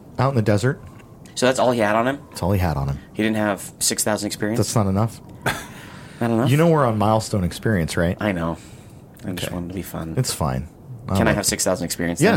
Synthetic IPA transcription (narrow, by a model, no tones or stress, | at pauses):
aʊɾn̩ðɨdɛzə˞t̚ | soʊðætsɔlˠiɨɾn̩ɨ̃mɪtsɔlˠiəɾn̩ɨ̃mhidɪdⁿn̩t̚ɨv̥sɪksθaʊzn̩dɨkspɪɹiɨ̃ðætsnəɾənʌf | nəɾɨnʌjɨnoʊwəɹə̃nmaɪlˠstõʊ̃nɨkspɪɹiɨ̃nsɹaɪtʔ̚aɪnoʊ | ãɪ̃d͡ʒʰʌḛswɑ̰̃ñtʰɨbifʌ̰̃nɨtsfã̰ɪ̃n | ʔa̰ɨ̃ñaɪɨv̥sɪksθaʊzn̩dɨkspɪ̰ɹiɨ̃nsjæ